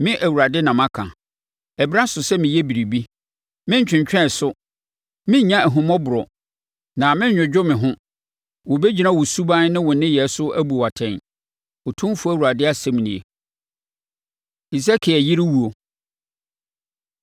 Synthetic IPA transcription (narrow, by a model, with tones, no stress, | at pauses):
mɪ̃˦ʔæ˨wu˨ɾa˨dɪ˦nã˨mã˦kʰã̰˨ | ɛ˨bɾa˦sʊ˨sɛ˦mɪ̃˨jɛ˦bi˨ɾi˨bi˦ | mɪ̃˦ɲ̩˦t͡ɕᶣɪ̃˨ɲt͡ɕᶣɛ̃˦˨sʊ˦ | mɪ̃˦ɲ˦ɲã˦æ˨ɦʊ̃˨mɔ̃˦bʊ˨ɾɔ˨ | nã˨mɪ̃˦ɲᶣʊ̃˨d͡ʑᶣʊ˦mɪ̃˨ɦʊ̃˦ | wʊ̃˨be˦d͡ʑi˨nã˦˨wʊ˨su˦bã˦n˦nɪ̃˦wʊ̃˨nɪ̃˦jɛ˨˦sʊ˦æ˦bu˨a˨tʰɛ̃˨n | ɔ˨tʰũ˦m˦fu˦æ˨wu˨ɾa˨dɪ˦a˦sɛ˦m˨nĩ˨ḛ˨ | i˨s̬a˦kʰɪ˨ɛ˨ji˦ɾɪ˦wu˨o˨